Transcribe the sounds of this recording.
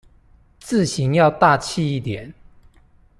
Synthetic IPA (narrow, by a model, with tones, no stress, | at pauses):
t͡sɹ̩˥˨ɕi˨˦ŋjɑ˥˧ʊt̪a˥˨t͡ɕʰi˥˧i˥˩t̪jɛ˨˩˦n